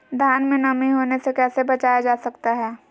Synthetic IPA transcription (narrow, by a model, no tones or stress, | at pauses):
d̪ʱjaːnmẽnɐmiɦoːnesekɛːsebɐt͡ʃaːjad͡ʒaːsɐkt̪aɦɛː